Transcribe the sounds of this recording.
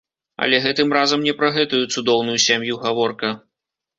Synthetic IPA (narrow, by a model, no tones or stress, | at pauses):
ɐ̰lʲɛɣɛt̪ɨmrazɐmnʲɛpɾɐɣɛt̪ujut̪sud̪ɔwnujusʲamjuɣavɔrkɐ